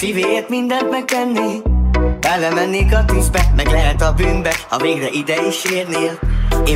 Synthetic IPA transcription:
fiveːert̪mind̪ɛnt̪mɛk̚t̪ɛnːeːbɛlːɛmɛnːeːkɒt̪yzbɛmɛɡlɛɦɛt̪ɒbyːnbɛhɒveːɡrɛʔid̪ɛiʃeːrneːleː

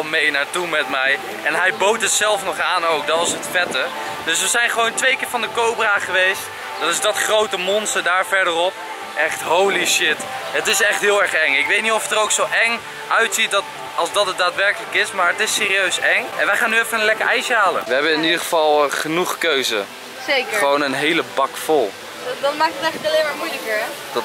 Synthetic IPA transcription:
lˠmejnaːɹtumɛtmɛj | ʔɛnɦɛjbowtətsɛlˠfnɔχaːnowk̚dɑtɪsɦətfɛtə | d̥ɵsʋəzɛjnχəʋowntʋejkɪːɹvɑndəkowbraːχəʋejst | d̥ɑtɪzdɑtχrowtəmɔnstəɹdaːɹvɛɹdərɔp̚ | ʔɛχtɦowliʃɪtətɪsɛχtɦɪːlˠɛɹχɛŋɪkʋejtnitɔfətərowksowʔɛŋ | ʔœɥtsit̚dɑt | ɑlˠzdɑtɦət̚daːtʋɛɹkələkɪsmaːɹətɪsːɪːɾiøɥsɛŋʔɛ̰nʋəjχaːnːyɛfənənlɛkəɹʔɛjʃəɦaːlə̰ʋəɦɛbənɪnidəχəvɑlˠχənuχkøɥzə̰ | sejkəχəʋownənɦejləbɑkfɔlˠ | dɑtmaːk̚tətɛχtɑleːmaːɹmujləkəɹ | d̥

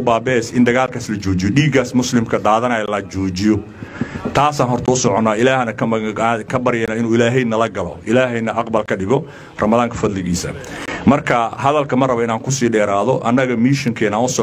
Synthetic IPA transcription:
ʊbaːbɛːsɪnd̪ɐɣaːlkʰaːslɐt͡ʃɔːt͡ʃɪjɔɗiːɡaːsmʊslɪmkʰɐd̪aːðɐnɐːjɐlɐt͡ʃɔːt͡ʃɪjɔ | t̪ʰaːsaːnɦɔrt̪ʰɐʊsɔʕɔnːaːɪlaːhnɐkʰɐkʰɐbɐɾɪjɛnɐɪnuːɪlaːɦɛjnɐlɐɡɐlɔ̰ʔɪlaːɦɛjnɐʔɐqbɐlkʰɐɖɪɣɔ | rɐmɐðaːŋkʰɐfɐd̪lɪɣiːsɐ̰mɐrkʰɐɦɐðɐlkʰɐmɐrɐβɔɪnaːŋkʰʊsiːɖɛːɾaːðɔʔɐnːɐɣɐmiʃɔŋkʰɛːnaːnʊsɔ

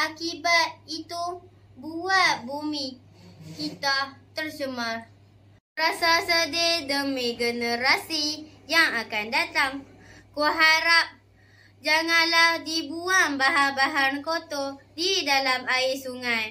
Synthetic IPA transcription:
ʔakibat̪̚it̪u | buaʔ̚bumi | kit̪aht̪ərt͡ʃəmar | rasasədedəmiɡənəɾasijaŋakandat̪aŋ | kuɦaɾap̚ | d͡ʒaŋanlahdibuaŋbaɦanbaɦankot̪odidalamaɪʔsuŋaj

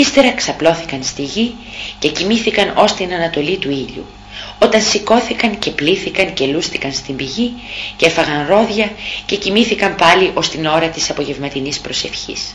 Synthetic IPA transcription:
ist̪e̞ɾɐksɐplo̞θikɐnst̪iʝi | ce̞cimiθikɐno̞st̪inɐnɐt̪o̞lit̪uiʎṵ | o̞t̪ɐnsiko̞θikɐɲce̞pliθikɐɲce̞lusθikɐnst̪imbiʝice̞fɐɣɐnɾo̞ðʝɐce̞cimiθikɐmpɐliʔo̞st̪ino̞ɾɐt̪isɐpo̞ʝe̞vmɐt̪inispɾo̞se̞fçḭs

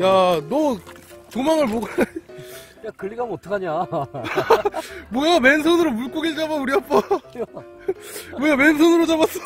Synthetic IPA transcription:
janʌt͡ɕomaŋɯɭmoɡan | akɯɭːiɡamʌtʰʌkʰaɲa | moamensʰonɯɾomuɭk͈oɡiɭd͡ʑabanuɾiap͈a | mojame̞ns̬ʰonɯɾod͡ʑabas͈ʌ

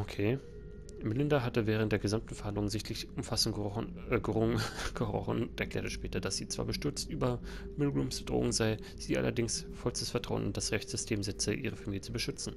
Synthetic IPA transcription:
ʔokʰeː | mɪlɪndaɦatəvɛːʁnt̚d̥eːɐɡəzamtn̩fɛɐhandlʊŋnzɪçtʰlɪçʊmfasn | ʁɡ̥əʁɔ̰χəntʔɛɐkl̥ɛːɐtəʃpɛːtɐd̥asz̥iːt͡sv̥a̰ːɐbəʃtʏɐt͡stʔyːbɐ | mɪlɡʁuːmsbəd̥ʁo̰ːʊŋzaɪ | z̥iːʔa̰lɐ̰dɪŋsfɔlsd̥əsfɛɐtʁ̥aʊənʊntd̥asʁɛçt͡sz̥ʏstʰeːmzɛt͡səʔiːʁ̞əfamiːljət͡subəʃʏt͡sn̩

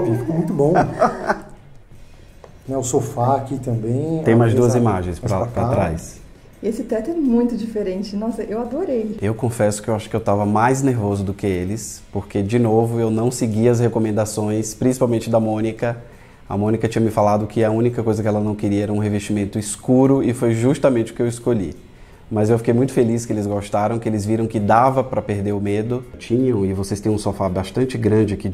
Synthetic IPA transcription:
pifmũj̃t̪ʊbõw̃ | nɛʊsofaakit̪ɐ̃bẽj̃t̪ẽj̃majzd̪uɐzimaʒẽj̃spapɾat̪ɾajs | esɪt̪ɛt̪ʊɛmũj̃t̪ʊd͡ʒifeɾẽnt͡ʃɪnɔsɐewad̪oɾejewkõfɛsʊ̥kɪewaʃʊkɪewt̪avɐmajzneɾvozʊd̪ʊkɪelɪspoɾked͡ʒɪnovʊewnɐ̃w̃sɪɡiɐs̬hekomẽnd̪asõj̃spɾĩsi̥pawmẽnt͡ʃɪd̪ɐmõnikɐ | ɐ̰mõnikɐt͡ʃĩɲɐmɪfalad̪ʊkʰɪɐũnikɐkojzɐkɪɛlɐnɐ̃w̃kɪɾiɐɛɾɐũɦeveʃt͡ʃimẽnt̪ʊiskuɾʊɪfojʒuʃt̪ɐmẽnt͡ʃɪʊ̥kɪewɪskoʎḭ | mɐzewfikejmũj̃t̪ʊ̥felis̬kɪelɪzɡoʃt̪aɾɐ̃w̃kɪelɪzviɾɐ̃w̃kɪd̪avɐpɾɐpeɾd̪eɾʊmed̪ʊt͡ʃĩɲɐ̃w̃ɪvosejst̪ẽj̃ũsofabaʃt̪ɐ̃nt͡ʃɪɡɾɐ̃d͡ʒɪkɪ

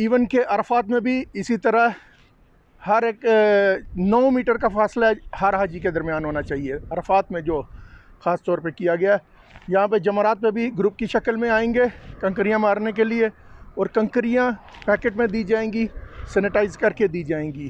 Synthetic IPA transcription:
iːʋənkeʔɐɾfaːt̪mẽbʱiɪsit̪ɐɾəɦ | hɐɾeːk | nəõmiːʈəɾkafaːslaɦɛhɐɾɦaːd͡ʒiked̪ɐɾmjaːnɦoːnat͡ʃaːɦieɐɾfaːt̪mẽd͡ʒoːxaːst̪ɔːɾpekijaɡɐjaɦɛ | jɐɦãp̬ed͡ʒɐmɾaːt̪̚pẽbʱiɡɾuːp̚kiʃɐkəlmẽaːẽːŋɡekɐ̃ŋkɾijãmaːɾnek̬elie | ɔːɾkɐ̃ŋkɾijã | pɛːkeːʈmẽd̪iːd͡ʒaːẽːŋɡisɛːnɪʈaːɪzkɐɾked̪iːd͡ʒaːẽːɡiː

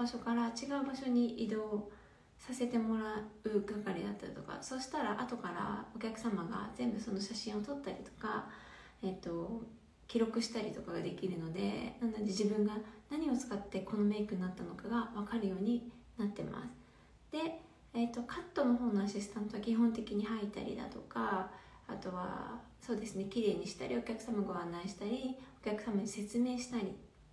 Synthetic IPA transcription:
baɕo̞kaɾat͡ɕiɡaɯ̟baɕo̞ɲ̟iʔid̪o̞ː | sase̞t̪e̞mo̞ɾaɯ̟ɡakaɾʲid̪a̰t̪ːa̰ɾʲit̪o̞ka̰so̞ɕi̥t̪aɾaʔat̪o̞kaɾa̰o̞kʲakɯ̟̥samaɡa̰zẽ̞mbɯ̟so̞no̞ɕaɕĩɰ̃o̞t̪o̞t̪ːaɾʲit̪o̞̥ka | et̪ːo̞ | kʲiɾo̞kɯ̟ɕi̥t̪aɾʲit̪o̞kaɡad̪e̞kʲiɾɯ̟no̞d̪e̞̰nãnd̪ad̪eʑibɯ̟̃ŋɡanaɲ̟io̞t͡sɨ̥kat̪ːe̞ko̞no̞me̞ikɯ̟nnat̪ːano̞kaɡaβakaɾɯ̟jo̞ːɲ̟inat̪ːe̞ma̰sɨ̥ | d̪̥e̞ | et̪ːo̞kʰat̪ːo̞no̞ɦo̞ːno̞aɕisɨ̥t̪ãnt̪o̞βakʲiɦõ̞nt̪e̞kʲiɲ̟ihait̪a̰ɾʲḭd̪a̰t̪o̞ka | a̰t̪o̞βa̰ | so̞ːd̪e̞sɨne̞kʲiɾe̞ːɲ̟iɕi̥t̪a̰ɾʲio̞kʲakɯ̟̥samaɡoãnːaiɕi̥t̪aɾʲio̞kʲakɯ̟̥samaɲ̟ise̞t͡sɨme̞ːɕi̥t̪aɾʲḭ

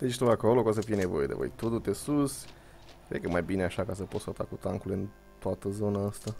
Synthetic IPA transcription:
d̪̥et͡ʃt̪uakolokos̬əfijene̞vo̞̰je̞d̪evo̰jt̪ud̪ut̪esus | kɾekəmajbineaʃakas̬əpot̪sot̪a̰kut̪aŋkulɨn | t̪oat̪əzo̞naəst̪a

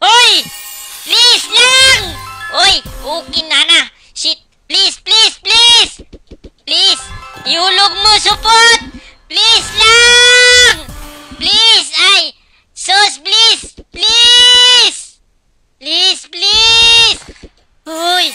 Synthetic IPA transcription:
ojplislaŋojukinana | sit̪̚ | plisplisplisplisjuluk̚məsupɔt̪̚ | plisla | ŋplisaj | səsplispli | s | plisplis | oj

